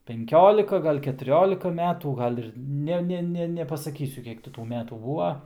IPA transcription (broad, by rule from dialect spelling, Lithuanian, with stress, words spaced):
pʲɛŋʲˈkʲoːlʲɪkɐ ɡɐlʲ kʲɛtʊˈrʲoːlʲɪkɐ ˈmʲæːtuː ˈɡɐlʲ ɪr ˈnʲɛ ˈnʲɛ nʲɛpɐsɐˈkʲiːsʲʊ ˈkʲiɛk tʲɪ tuː ˈmʲæːtuː ˈbuːʋɐ